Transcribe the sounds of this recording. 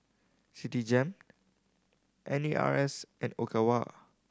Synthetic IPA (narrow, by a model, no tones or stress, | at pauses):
sitid͡ʒɛ̃m | ʔɛ̃niʔa̰ɹɛsʔɛ̃nokʰawa̰